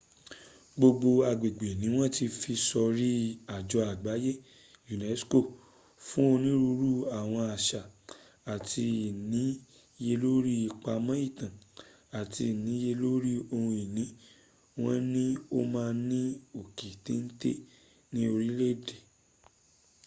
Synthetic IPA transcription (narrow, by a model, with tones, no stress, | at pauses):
ɡ͡bo˧ɡ͡bo˧a˧ɡ͡be˨ɡ͡be˨nĩ˨˦w̃ɔ̃˦ti˧fi˧sɔ˧ɾi˦a˨d͡ʒɔ˧a˨ɡ͡ba˨˦je˦ | ju˨nɛ˨˦sko˦˨ | fũ˦o˧nĩ˦ɾu˧ɾu˦˨a˦˨w̃ɔ̃˧a˨ʃa˨ | a˨ti˧˨nĩ˨˦ | je˧lo˦ɾi˦i˧k͡pa˧mã˦i˦˨tã˨ | a˨ti˧˨nĩ˨˦je˧lo˦ɾi˦o˧hũ˧i˨nĩ˨˦ | w̃ɔ̃˦nĩ˦o˦mãː˧nĩ˦o˨ki˨tĩ˨˦n̩˦tḛ˦ | nĩ˦o˧ɾi˦le˦˨de˨